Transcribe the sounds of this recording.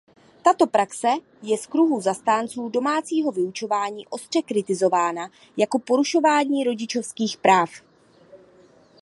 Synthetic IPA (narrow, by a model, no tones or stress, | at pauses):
t̪at̪o̞pɾaksɛ | jɛskɾuɦuzast̪aːnt͡suːdo̞maːt͡siːɦo̞vɪut͡ʃo̞vaːɲiːʔo̞st̪r̝̥ɛkɾɪt̪ɪzo̞vaːna | jako̞po̞ɾuʃo̞vaːɲiːɾo̞ɟɪt͡ʃo̞fskiːxpɾaːf